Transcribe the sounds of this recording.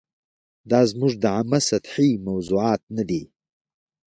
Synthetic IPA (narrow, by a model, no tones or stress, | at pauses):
d̪ɑzmuʐd̪əʕamasat̪ħimawzuɑːt̪̚nad̪i